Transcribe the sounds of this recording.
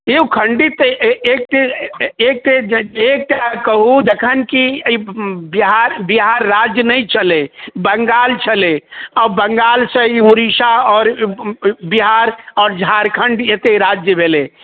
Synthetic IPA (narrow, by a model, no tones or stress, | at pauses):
eukʰəɳɖit̪ek̚t̪eek̚t̪eek̚ʈakəɦud̪ekʰənkiibiɦaɾbiɦaɾːad͡ʒjənəjt͡ʃʰəlebəŋɡaːlt͡ʃʰəleɔːbəŋɡaːlsə̃iɦuɾiʃaɔːɾ | biɦaɾɔːɾd͡ʒʱaɾkʰəɳɖjet̪eɾad͡ʒjəbʱele